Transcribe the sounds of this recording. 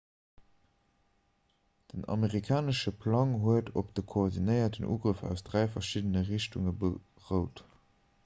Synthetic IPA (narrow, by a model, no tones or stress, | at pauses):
d̥ənɑ̰meʁikʰaːnəʃəpʰlɑŋɦuətʰopd̥əkʰoːʁdinəɪɐtənṵːɡʁəfæ̰ʊsd̥ʁæɪfɐʃidənəʁiɕtuŋəbə | ʁəʊt